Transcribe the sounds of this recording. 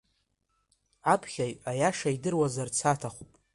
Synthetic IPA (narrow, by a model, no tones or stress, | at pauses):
apʰχʲajajaʂajdɨrwazart͡sʰatʰaχʷupʼ